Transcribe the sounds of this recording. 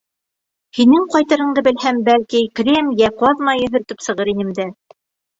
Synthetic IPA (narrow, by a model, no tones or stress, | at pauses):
hinɘŋqɑjt̪ɤ̆ɾɤ̆ɴd̪ɤbɘ̆lhæmbælkikrʲemjæqwɑðmɑjɵ̆ɦɵ̆ɾt̪ɘpsɤ̆ʁɤɾinɘ̆md̪æ